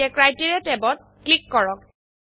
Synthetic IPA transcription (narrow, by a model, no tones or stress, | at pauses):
ɛkɹajtiɹɛtɛbɔt̚ | klikːɔɹɔk̚